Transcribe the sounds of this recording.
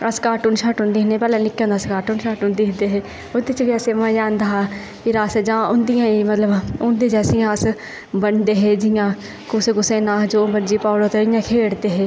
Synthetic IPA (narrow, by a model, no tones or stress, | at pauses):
əskaːʈuːnʃaːʈɦʊ̃nd̪iːɦnẽːpɛːlãːnɪkːẽnd̪aːskaːɾʈuːnʃaːʈɦʊ̃nd̪iːɦnd̪eɦɛː | ʊd̪et͡ʃʋiɛːsemãːd͡ʒãːnd̪aːa | kiɾaːsɛd͡ʒãːʊnd̪ɪjãːemət̪ləbʊnd̪eːd͡ʒɛːsɪjãːəs | bənd̪eɦɛːd͡ʒɪjãː | kʊsẽkʊsẽnãːd͡ʒoːbənd͡ʒiːpaːɽoːt̪eɪjãːkʰeːɽt̪eːɦɛː